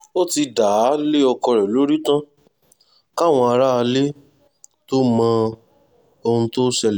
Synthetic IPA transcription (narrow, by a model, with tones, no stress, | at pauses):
o˦ti˧da˨˦le˦ɔ˧kɔ˧ɾɛ˨lo˨˦ɾi˦tã˦ | ka˦˨w̃ɔ̃˧a˧ɾa˦a˧le˦ | to˦mã˧ | o˧ũ˧to˦ʃɛ˧lɛ˨